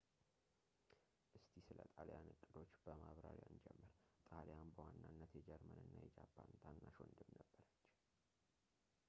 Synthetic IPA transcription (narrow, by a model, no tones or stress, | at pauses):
ʔɨst̪ʰisɨlə̰t̪ʼaljanɨkʼːɨd̪o̞t͡ʃːbəmaβɾaɾjaɨnd͡ʒɛ̰mːɨɾt̪ʼaljanbəwanːanːət̪jɛd͡ʒɛɾmənɨnːajɛd͡ʒapʰːant̪ʰanːaʃond̪ɨmnəbːəɾət͡ʃː